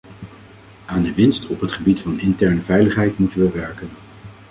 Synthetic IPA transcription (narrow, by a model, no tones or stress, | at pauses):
aːndəʋɪnstɔpɦətχəbitfɑnɪntɛɹnəvɛjləχɦɛjtmutənʋəʋɛɹkən